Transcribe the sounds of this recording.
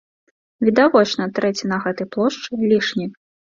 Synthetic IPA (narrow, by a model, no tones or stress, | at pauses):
vʲid̪avɔt͡ʂnɐt̪ɾɛt͡sʲinɐɣɛt̪ɨjplˠɔʂt͡ʂɨlʲiʂnʲi